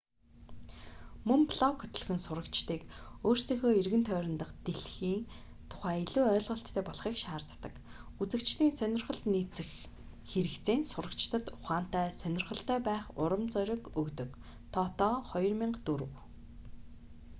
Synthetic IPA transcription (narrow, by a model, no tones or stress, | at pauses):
mɵmpʰɮɔkʰːɵt̪ɵ̆ɮxɘ̆nsʊɾə̆kt͡ɕt̪iːkoːrst̪ʰeːxoːerɣɘ̆nt̪ʰœːɾʲɪ̆nt̪ə̆qt̪eɮxiːŋ | t̪ʰʊ̥χæːiɮuːœːɮʁɞ̆ɬt̪ʰːœːpɔɮχiːkʃaːrt̪ːə̆kut͡sɘ̆kt͡ɕt̪iːnsœnʲɪ̆rχə̆ɮt̪nit͡sɘ̆x | xeɾɘ̆kt͡seːnsʊɾə̆kt͡ɕt̪ə̆t̪ʊχaːn̥t̪æːsœnʲɪ̆rχə̆ɬt̪æːpæːχʊɾə̆mt͡sœɾʲɪ̆kɵkt̪ɵ̆k | t̪ʰɔt̪ɔːχɔjɞ̆rmiɴɢt̪uɾɘ̆w